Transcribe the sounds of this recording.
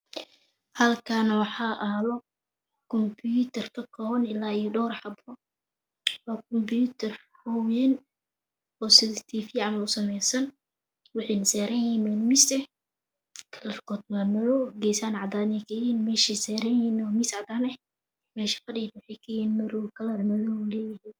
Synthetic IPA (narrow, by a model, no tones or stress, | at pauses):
hɐlkʰanɐwɑħɑːʔɐlɔ | kʰɔmbjut̪ʰɐrkʰɐkʰɔːɐnɪlaːijɔɖɔːɾħɑbrɔ | waːkʰɔmbjut̪ʰɐr | hɔwɛn | ɔːsɪðɪt̪ʰiːfiːʕɑmɐʊsɐmɛjsɐn | wɑħɛjnɐsɛːɾɐjiːmɛnmɪsɛ | kʰɐlɐrkʰɔd̪̚mɐmɐðɔɡɛjsaːnʕɑd̪aːnɛkʰɐjhiːnmɛːʃisɛːɾɐinɔːmisʕɑd̪aːnɛ | mɛːʃɐ̥fɐɖiːd̪wʊħɛjkʰɐjiːnmɐɾɔwkʰɐlɐrmɐðɔlɛːjɪɦiːn